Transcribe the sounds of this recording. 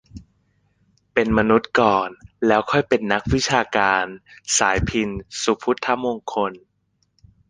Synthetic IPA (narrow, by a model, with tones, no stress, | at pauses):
pe˧nma˧nu˦˥t̪̚kɔː˨˩nlɛː˦˥wkʰɔ˥˩jpe˧nːa˦˥k̚wi˦˥t͡ɕʰaː˧kaː˧nsaː˩˦jpʰi˧nsu˨˩pʰu˦˥t̪ʰːa˦˥mo˧ŋkʰo˧n